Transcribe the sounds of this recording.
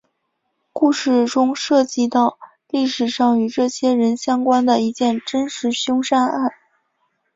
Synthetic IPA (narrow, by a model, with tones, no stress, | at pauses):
ku˥˧ʂɻ̩˥˩ʈ͡ʂʊ˥ŋʂɤ˥˧˩t͡ɕi˥˧t̪ɑ˥˧ʊ | li˥˩ʂɻ̩˨˩ʂɑ˥˩ŋy˧˥ʈ͡ʂɤ˥˩ɕjɛ˥ɻə˧˥nɕjɑ˥ŋkwa˥nd̪ə˨i˧˥t͡ɕjɛ˥˩nʈ͡ʂə˥nʂɻ̩˧˥ɕjʊ˥ŋʂa˥na˥˩n